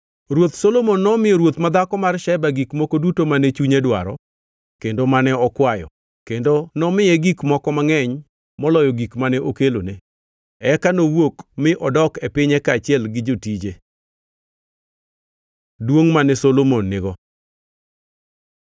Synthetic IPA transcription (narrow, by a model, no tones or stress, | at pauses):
ɾwot̪solomonːɔmɪjɔɾwot̪mad̪akɔmarʃɛbaɡikmokodutomanɛt͡ʃuɲedwaɾɔ̰ | kendomanɛɔkwajɔ̰ | kendonɔmɪjɛɡikmɔkɔmaŋɛɲ | mɔlɔjɔɡikmanɛʔokelone | ɛkanowokmɪʔɔdɔkɛpɪɲɛkaːt͡ʃɪɛlɡɪd͡ʒotid͡ʒe | dwoŋmanɛsolomonːɪɡɔ